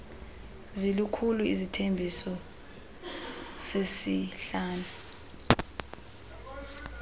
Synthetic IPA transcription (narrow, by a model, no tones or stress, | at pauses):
zilukʰuluḭzitʰembʱisɔ | sesiɬaːnʱa